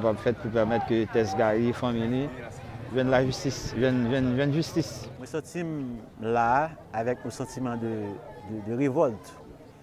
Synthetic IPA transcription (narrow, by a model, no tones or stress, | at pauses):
pabfɛt̪̚puʁpɛʁmɛt̪kət̪ɛsɡaʁifãmilivjɛ̃nlaʒyst̪isvjɛ̃nvjɛ̃nvɛ̃nʒyst̪ismwɛ̃sɑ̃t̪im | laː | vɛk̚nosɑ̃t̪imɑ̃d̪əd̪əd̪əʁevɔlt̪